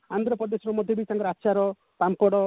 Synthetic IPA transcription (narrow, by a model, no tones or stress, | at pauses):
and̪ɾɔpɾɔd̪esɔɾɔmɔd̪ʱjɔbit͡ʃaŋkɔɾatːʃaɾɔ | pampɔɽɔ